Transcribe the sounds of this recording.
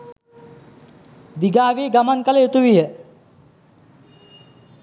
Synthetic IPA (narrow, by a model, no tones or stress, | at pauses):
d̪iɡaːʋeːɡamaŋkələjot̪uʋijə